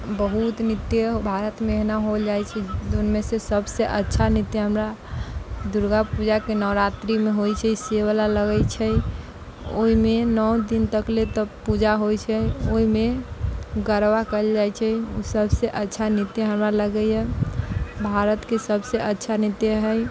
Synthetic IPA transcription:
bəɦut̪nit̪jəɦbʱaɾət̪meeɦnaɦod͡ʒajt͡ʃʰɛd͡ʒonmesesəbseʔətːʃʰanit̪jəɦəmɾa | d̪uɾɡapud͡ʒakenɔɾat̪ɾimeɦojt͡ʃʰɛiseʋəlaləɡət͡ʃʰɛ | o̰ɦimenɔwd̪int̪əklet̪ɔpud͡ʒaɦojt͡ʃʰɛoɦime | ɡəɾʋakəld͡ʒajt͡ʃʰɛusəbseʔətːʃʰanit̪jəɦəmɾaləɡəjɛ | bʱaɾət̪kesəbseʔətːʃʰanit̪jəɦəj

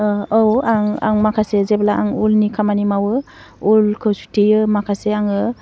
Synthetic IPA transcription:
owaŋa̰ŋmakʰasezeblaʔaŋulnikʰamanimawɯ | ulkʰɯwsu̥tʰijɯmakʰaseaŋɯ

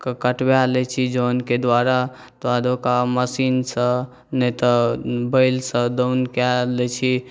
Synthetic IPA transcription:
kkəʈbalɛt͡ʃʰid͡ʒonked̪waɾa | t̪ad̪okaməsinsə̃ | nət̪əbəɪlsə̃d̪əwnkalɛt͡ʃʰi

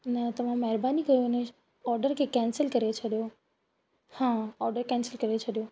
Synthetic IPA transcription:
nɐt̪ɐʋ̤ãmɐɦɪɾbaːnikɐjone | ɔːɾɖəɾkʰekɛ̃ːnsəlkɐɾet͡ɕʰɐɗjo | hãɔːɾɖəɾkɛ̃ːnsəlkɐɾet͡ɕʰɐɗijo

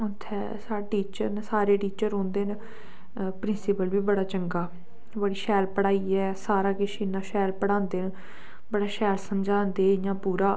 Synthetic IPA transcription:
ʊt̪ʰːɛ̰ː | saːʈiːt͡ʃəɾnsaːɾeːʈiːt͡ʃəɾõːnd̪eːn | pɾɪnsɪpəlʋiːbəɽaːt͡ʃəŋɡaː | bəɽiːʃɛːlpəɽaːiːɛːsaːɾaːkɪʃiːnãːʃɛːlpəɽãːnd̪eːn | bəɽaːʃɛːlsəmd͡ʒãːnd̪eːjãːpuːɾaː

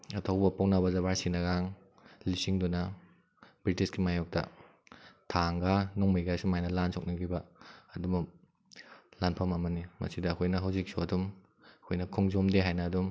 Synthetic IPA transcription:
ɐtʰɐwbɐpownaβɐzɐβaɾsinɐɡaŋ | lisiŋdunɐ | bɾitiskimajok̚tɐ̰ | tʰaŋɡanɔŋmijɡajsumajnɐlansʰok̚nɐɡibɐɐdumu | lanpʰɐmɐmɐnimɐ̰sidɐːkʰojnɐɦawzik̚suɐdum | ɐkʰojnɐkʰɔŋzomdeɦajnɐːdum

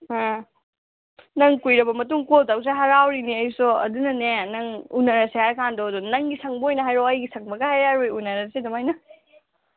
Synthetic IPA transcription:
ha | nɐŋkujɾɐbɐmɐtuŋkoltaws̬eɦɐɾawɾiniɐjsɔɐ̰dunɐnenɐŋunɐɾɐseaɾkandɔdunɐŋɡisʰɐŋbojnɐɦajɾɔɐjɡisʰɐŋ̚bɐɡɐhajaɾojunɐɾɐsedɐmajnɐ

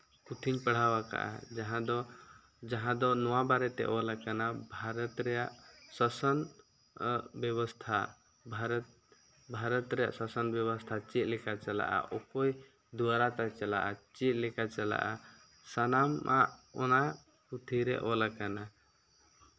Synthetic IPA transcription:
kut̪ʰiɲpəɽ̤awaka̰ʔa̰d͡ʒaɦãd̪ɔ | d͡ʒaɦãd̪ɔnɔwabaɾɛt̪ɛ̰ʔɔlakanabʱaɾɔt̪ɾɛjaʔsɔsɔn | bjɔβɔst̪ʰa | bʱaɾt̪ | bʱaɾɔt̪ɾɛja̰ʔsasənbjɔbɔst̪ʰat͡ʃit̪̚lɛkat͡ʃala̰ʔa̰ʔɔkoj | d̪uwaɾat̪at͡ʃala̰ʔat͡ʃit̪̚lɛkat͡ʃala̰ʔa | sanamʔa̰ʔɔna | kut̪ʰiɾɛ̰ʔɔlakana

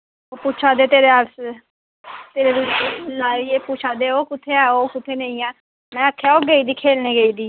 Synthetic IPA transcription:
opuːt͡ʃʰaːd̪eːt̪eːɾeəɾs | t̪eːɾeːɾunaːieːput͡ʃʰaːd̪eːoːkʊt̪ʰːeːɛːoːkɪt̪ʰːeːnəĩːɛː | mɛ̃ːəkʰːjaːoːɡeiːd̪iːkʰeːlneːɡeiːd̪iː

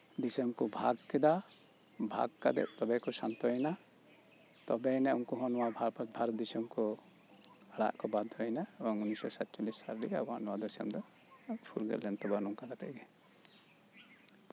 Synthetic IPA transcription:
d̪isɔmkɔbʱa̰ɡkɛd̪a | bʱa̰ɡkad̪ɛ̰ʔt̪ɔbɛkɔsant̪ɔɦjna | t̪ɔbɛnɛunkɔɦɔnɔwabʱbʱaɾɔt̪̚d̪ɛsɔmkɔ | aɽa̰ʔkɔbad̪ʱːɔjnaɛbɔŋunisɔsat̪t͡ʃulisa̰ɾlikɛbɔanɔwad̪ɔsa̰md̪ɔ | pʰulɡɛ̰ɾlɛnt̪ɔbanuŋkaɾat̪ɛ̰ɡɛ

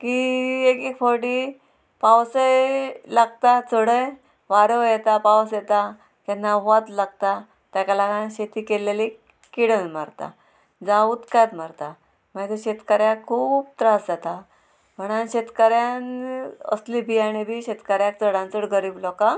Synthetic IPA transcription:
kiekekfoɾʈi | pawsəjlaɡt̪at͡səɽəj | ʋaɽojɛt̪apawsjɛt̪a | kɛnːaɦoat̪laɡ̚t̪a | t̪jakalakanɕet̪ikeleli | kiɽənmaɾt̪a̰ | d͡zauːt̪kajt̪maɾt̪a | mad͡zeɕet̪kaɾjakʰuːb̚t̪ɾasd͡zat̪a | m̤əɽ̃anɕet̪kaɾjanə̰slibʱiːaɽ̃ibʱiːɕet̪kaɾjak̚t͡səɽãnt͡səɽɡəɾiːblɔka

